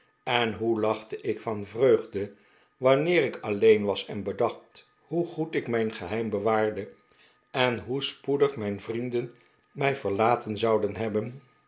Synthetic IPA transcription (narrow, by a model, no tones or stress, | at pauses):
ɛnɦulɑχtəʔɪkfɑnvrøɥχdə | ʋɑnɪːrɪkɑlejnʋɑsɛnbədɑχt | huχutɪkmɛjnχəɦɛjmbəʋaːɹdə | ʔɛnɦuspudəχmɛjnvrindən | mɛjv̥əɹlaːtənzɑwdənɦɛbən